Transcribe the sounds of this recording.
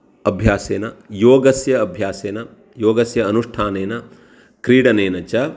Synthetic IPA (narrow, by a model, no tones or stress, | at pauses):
ɐbʱjaːseːnɐjoːɡɐsjɐɐbʱjaːseːnɐ | joːɡɐsjɐːnuʂʈʰaːneːnɐ | kɾiːɽɐneːnɐt͡ʃɐ